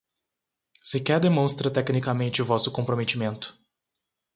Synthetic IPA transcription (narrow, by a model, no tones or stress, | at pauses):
sekʲɛɾd̪emõst̪ɾɐt̪ɛknikamẽnt͡ʃɪuvɔsʊkõmpɾomet̪imẽnt̪ʊ̥